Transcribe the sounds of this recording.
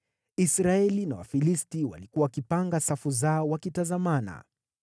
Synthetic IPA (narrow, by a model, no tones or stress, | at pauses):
isɾaɛlinawa̰filistiwa̰likuwawakipaŋɡasafuzaɔwakitazamana̰